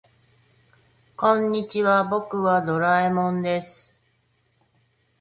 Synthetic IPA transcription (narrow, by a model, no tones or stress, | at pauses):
kõ̞ɲ̟ːit͡ɕiβabo̞kɯ̟βad̪o̞ɾaemõ̞nd̪e̞sɨ̥